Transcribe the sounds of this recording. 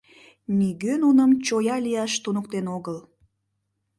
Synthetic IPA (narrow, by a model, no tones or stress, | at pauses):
miɡønunəmt͡ɕojɑlijɑʃt̪unukt̪enoɣəl